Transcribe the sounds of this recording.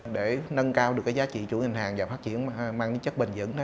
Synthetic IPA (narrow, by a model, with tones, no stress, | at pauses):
ɗe˧˩nə˧nkaː˧wɗɨ˨˩əkːaː˨˦jzaː˨˦t͡ɕḭ˧˨t͡ɕu˧˩˦ŋi˨˩ŋ̟ɦaː˨˩ŋvaː˨˩faː˦˥t̚t͡ɕi˧˩ənmaː˧ŋɗe˧˨˦t͡ɕə˦˥t̚ɓï˨˩ŋ̟zɨ̰˧˥n˦